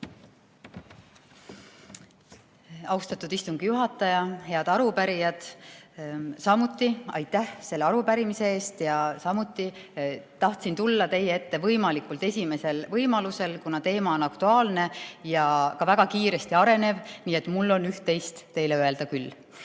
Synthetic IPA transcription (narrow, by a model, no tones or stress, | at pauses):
ɑwst̪ɑt̪ːˑud̪ist̪uŋɡ̥ijuɦɑt̪ːˑɑjɑɦe̞ɑd̪ɑɾupæɾijɑd̪̥ | sɑmut̪ːˑiɑ̰jt̪ːˑæhse̞lːeɑɾupæɾimise̞e̞ːst̪jɑsɑmut̪ːˑit̪ɑht̪sint̪ulːɑt̪e̞jee̞t̪ːe̞vɤjmɑlikˑult̪e̞sʲime̞se̞lvɤjmɑluse̞lkunɑt̪e̞ːmɑo̞nɑkt̪uɑːlne̞jɑkɑvæɡ̥ɑkiːɾe̞st̪iɑɾe̞ne̞vniːe̞t̪ːˑmulːo̞nyht̪ːe̞jst̪ːe̞jleøe̞ld̪̥ɑkylː